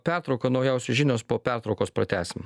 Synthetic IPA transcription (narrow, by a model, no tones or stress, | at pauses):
pʲæɾt̪ɾɒʊkɐnɐʊjɛˑʊsʲʊʒʲɪnʲoːspoːpʲæɾt̪ɾɔʊkoːspɾɐt̪ʲæːsʲɪm